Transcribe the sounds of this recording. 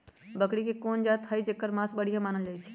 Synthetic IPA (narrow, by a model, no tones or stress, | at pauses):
bəkɽikekoːnd͡ʒat̪ʰɦəjd͡ʒekːəɾmasbəɽ̤ijamaːnəld͡ʒaːit͡ʃʰi̥